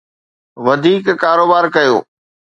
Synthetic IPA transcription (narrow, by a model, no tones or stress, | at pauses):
ʋɐd̪ʱiːkːaːɾoːbaːɾkɐjo̰ː